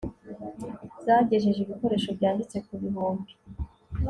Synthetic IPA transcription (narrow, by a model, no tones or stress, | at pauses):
z̥aɟe̞ʒeʒeβiko̞ɾe̞ːʃo̞bjaːndit͡se̞kuβiɦoːmɡo